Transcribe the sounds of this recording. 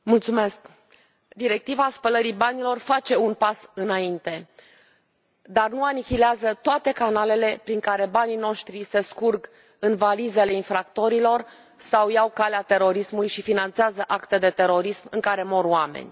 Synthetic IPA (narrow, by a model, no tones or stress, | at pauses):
mult̪sume̞sk | d̪iɾe̞k̚t̪ivaːspələɾibanilo̞rfat͡ʃe̞unpasɨnaint̪e̞ | d̪arnuanikʲileazət̪oat̪e̞kanale̞le̞pɾiŋkaɾe̞banino̞ʃt̪ɾise̞skurɡ | ɨnvalize̞le̞infɾakt̪o̞ɾilo̞r | sawjawkaleat̪e̞ɾo̞ɾismulujʃifinant̪seazəʔakt̪ed̪e̞t̪e̞ɾo̞ɾismɨŋkaɾe̞mo̞rwamḛnʲ